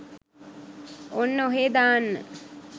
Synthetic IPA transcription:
onːəoɦeːd̪aːnːə

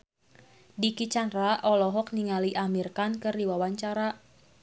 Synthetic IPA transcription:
dikit͡ʃanraʔɔlɔɦɔk̚niŋaliʔamirkankɨrdiwawaɲt͡ʃaɾa

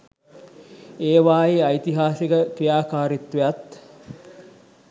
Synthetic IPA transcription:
eːʋaːjiɐjt̪iɦaːsikəkrijaːkaːɾit̪ʋejat̪

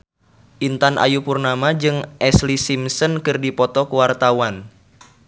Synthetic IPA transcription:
ʔint̪anʔa̰jupurnamad͡ʒɨŋʔɛslisimsənkɨrdipɔt̪ɔkuwart̪awan

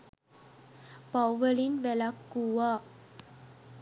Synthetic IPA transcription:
pawʋelinʋɛlakːuʋa

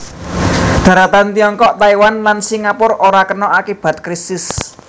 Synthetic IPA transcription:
d̪̥ä̤ɾat̪ant̪ijɔŋkɔʔt̪aiwanlansiŋapʊɾoɾakənɔʔakib̥a̤t̪̚kɾist̪ɪs

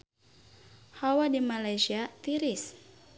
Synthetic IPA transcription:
hawadimalajsiat̪iɾis

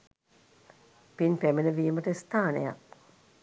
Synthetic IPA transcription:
pinpæminəʋiːməʈəist̪aːnḛja̰

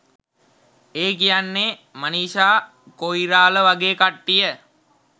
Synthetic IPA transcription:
eːkijanːemaniːʃaː | koiɾaːləʋaɡeːkaʈːijə

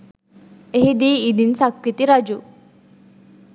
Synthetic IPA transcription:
eɦid̪iːd̪insakwit̪iɾad͡ʒu

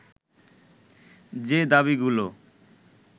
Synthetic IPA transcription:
d͡ʑed̪aβiɡulo

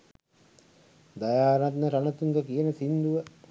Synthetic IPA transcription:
d̪ajaːɾat̪nəɾanət̪uŋɡəkijənəsind̪uʋə

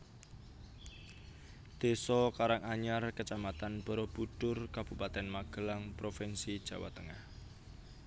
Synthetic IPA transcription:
d̪̥e̤sɔkaɾaŋaɲarkət͡ʃamat̪anb̥ɔ̤ɾɔb̥ut̪ʊrkab̥upat̪ɛnmaɡ̥əlaŋpɾofɛnsid̥ʒ̥a̤wa̰t̪əŋah

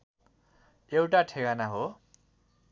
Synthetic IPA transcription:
jewʈaʈʰeɡanaɦo

